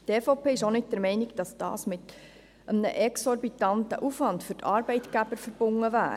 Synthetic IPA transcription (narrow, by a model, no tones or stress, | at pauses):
tefopeːɪʃonɪt̚dɛɾmɛɪnɪɡd̥ɑsd̥ɑ̰ːsmɪt̪ | əmnə̰ʔɛksɔrbitɑntə̰ʔufʋɑndfɵ̟ɾtʰɑɾbɛɪtɡ̥æb̥əɾfəɾb̥ʊŋːəvæ̰ːɾ